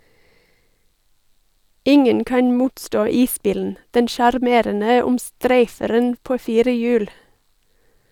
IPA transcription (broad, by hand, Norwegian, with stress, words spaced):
ˈɪŋən ˈkɑn ˈmuːtˌstoː ˈiːˌsbiːln̩ ˈdɛn ʃɑɾˈmeːɾənə ʊmˈstɾæɪfəɾən ˈpoː ˈfiːɾə ˈjʉːl